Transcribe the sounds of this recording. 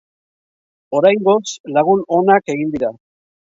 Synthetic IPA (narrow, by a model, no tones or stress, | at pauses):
o̞ɾajŋɡo̞slaɣ̞uno̞nake̞ɣind̪iɾa